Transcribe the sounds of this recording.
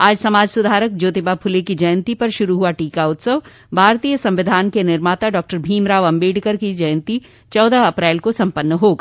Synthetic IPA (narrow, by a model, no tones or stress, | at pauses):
aːd͡ʒsɐmaːd͡ʒsʊd̪ʱaːɾək̚d͡ʒoːt̪ɪbapʰʊlekid͡ʒɐjə̃nt̪ipɐɾʃʊɾuɦuaʈiːkaʊt̪səʋ | bʱaːɾt̪iːjəsɐ̃mʋɪd̪ʱaːnkenɪɾmaːt̪aɖɔːk̚ʈəɾbʱiːmɾaːʋɐ̃mbeːɖkəɾkid͡ʒɐjə̃nt̪i | t͡ʃɔːd̪aɐpɾɛːlkosɐ̃mpənːəɦoːɡaː